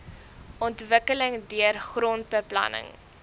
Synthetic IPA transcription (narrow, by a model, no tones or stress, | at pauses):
ʔɔntvəkələŋdiərχrɔnt̚bəplɐ̰nə̰ŋ